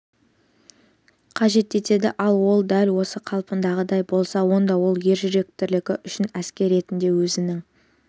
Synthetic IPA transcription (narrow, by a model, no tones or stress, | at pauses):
qʰɑʒe̞t̪e̞t̪e̞d̪ɪʔɑlˠwo̞lˠd̪ælwo̞səqʰɑlˠpənd̪ɑʁəd̪ɑjbo̞lˠsɑwo̞nd̪ɑwo̞lˠje̞ɾʒʏɾe̞k̚t̪ʰɪɾlɪkʲɪʔʏʃɪnæskʲe̞ɾe̞t̪ɪnd̪e̞wɵzɪnɪŋ